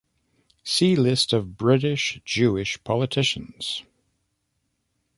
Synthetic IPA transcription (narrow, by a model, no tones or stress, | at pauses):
silɪstʌvbɹɪɾɪʃd̥ʒ̥ʉɪʃpʰɑlˠətʰɪʃɨ̃n̩z̥